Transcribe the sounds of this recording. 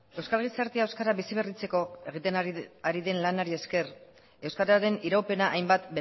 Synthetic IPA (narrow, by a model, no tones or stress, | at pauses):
e̞wskalɣ̞isaɾt̪eaewskaɾaβisiβe̞rit͡se̞ko̞e̞ɣit̪eaɾiðe̞nlanaɾie̞ske̞r | e̞wskaɾaɾe̞niɾawpe̞naʔajmbat̪be